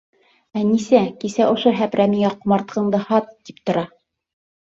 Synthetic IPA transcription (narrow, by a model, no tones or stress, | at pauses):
ænisækisæʔŏʃoɦæpɾæmiŋæqŏmɑɾt̪̚qʰɤ̆ɴd̪ɤhɑt̪ːip̚t̪ŏɾɑ